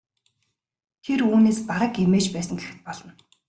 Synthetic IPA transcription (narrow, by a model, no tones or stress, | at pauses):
t̪ʰeruːneːspaɾə̆kemeːt͡ɕpæːsə̆ŋɡexɘ̆t̪̚pɔɮɞ̆n